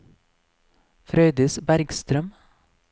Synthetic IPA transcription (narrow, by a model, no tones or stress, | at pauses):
fɾœʏd̪əsbæɾɡst̪ɾœm